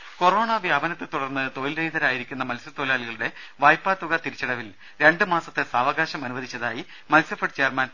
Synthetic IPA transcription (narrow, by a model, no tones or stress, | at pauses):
ko̞ro̞ːɳɐʋjaɐːbɐnɐt̪ːɨt̪uɽɐrnːɨt̪o̞jilɾejd̪ɐɾaːjiɾikʲːunːɐmɐlsɐt̪ːolaːliɣɐɭuɽe̞ | ʋɐːjpːaːt̪ːuɣɐt̪iɾit͡ɕːɐɽɐʋil | ɾe̞ɳɖɨmaːsɐt̪ːesaːʋɐɣaːɕɐmɐnuʋɐðit͡ɕːɐðaːji | mɐlsɐfɐɖt͡ɕejɐrmaːnɐ